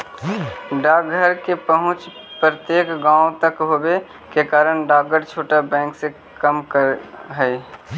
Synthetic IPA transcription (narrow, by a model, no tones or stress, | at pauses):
ɖaːɡʱəɾkepəɦʊ̃t͡ʃ | pɾət̪jeːkɡãːõt̪əkɦoːbe | kekaːɾənɖaːɡəɾt͡ʃʰoːʈabɛ̃ːŋkse | kəmkəɾɦəe